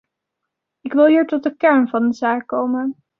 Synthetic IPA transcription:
ɪkʋɪlˠɦiːɹtɔt̚dəkɛɹnvɑndəzaːkːowmən

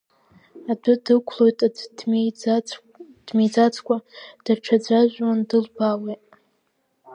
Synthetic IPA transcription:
adʊdɨkʷʰlo̞jtʼa | d̥med͡zat͡sʰkʷʰʼad̥aʈ͡ʂʰad͡ʒʷaʒᶣʷwandɨlbawejtʼ

